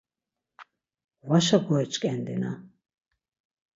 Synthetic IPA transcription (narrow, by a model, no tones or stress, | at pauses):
waʃakʷʰɔɛt͡ʃʼkʼɛnd̪ḭna̰